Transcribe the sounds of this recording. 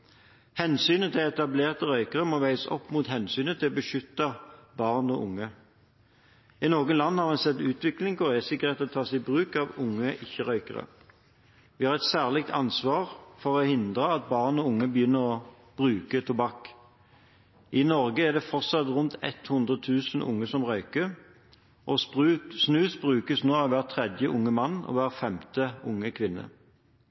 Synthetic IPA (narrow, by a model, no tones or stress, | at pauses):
hɛnsyːnət̪ʰɪlɛt̪ɑbleːʁt̪əʁœʏkəʁəmoːʋæɪsɔ̰pːmuːt̪hɛnsyːnət̪ʰɪlbəʃʏt̪ːɑbɑʁnɔʔʊ̰ŋːə | ɪnoːɡənlɑnːəhɑʁɛnsɛt̪ːʉːt̪ʋɪklɪŋkʊʁɛsɪkːəʁɛt̪ːɔt̪ʰɑːsɛɪbʁʉːkɑʋʊŋːəʔɪçːəʁœʏkə̰ʁə̰ | ʋɪhɑːʁɛt̪sæːʁlɪk̚t̪ʰɑ̰nsʋɑːʁfɔʁɔhɪnd̪ʁəɑt̪̚bɑːʁnɔʊŋːəbəjʏnːəʁɔ | b̥ʁʉːkət̪ʰʊbɑkː | ʔɪnɔʁɡəæd̪ɛfɔʁtsɑt̪ʁʊnt̪ɛ̰t̪hʊnd̪ʁət̪ʰʉːsn̩ʔʊ̰ŋːəsɔmʁœʏkə | ʔɔbʁʉːsnʉːsbʁʉːkəsnoːɑʋʋæːʁt̪ʰʁɛd̪jəʔʊŋːəmɑnːɔ̰ʋæːʁəfɛmt̪əʊŋːəkʰʋɪnːə̰